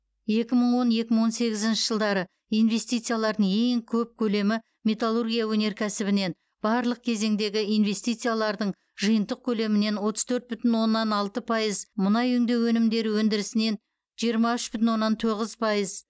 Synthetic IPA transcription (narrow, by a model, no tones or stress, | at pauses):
je̞kʲɪməɴwo̞nje̞kʲɪməɴwo̞nse̞ɡʲɪzɪnʃɪʒ̥əlˠd̪ɑɾə | ijnve̞st̪ijt̪sɨjalˠɑɾd̪əɴe̞ŋkʲʰɵp̚kʲʰɵle̞mɪ | mʲe̞t̪alˠurɡʲijawɵne̞ɾkʲʰæsɪbɪne̞n | b̥ɑɾlˠəq̚kʲʰe̞ze̞ŋd̪e̞ɡʲɪijnve̞st̪ijt̪sɨjalˠɑɾd̪əɴ | ʒɨjənt̪əq̚kʲʰɵle̞mɪne̞nwo̞t̪əz̥t̪ʰɵɾt̪̚bʏt̪ɪnwo̞nːɑnɑlˠt̪əpʰɑjəzmʊnɑjʏŋd̪e̞wɵnɪmd̪e̞ɾɪwɵnd̪ɪɾɪsɪne̞n | ʒ̥ijəɾmɑʏʃbʏt̪ɪnwo̞nːɑnt̪ʰo̞ʁəzpʰɑjəz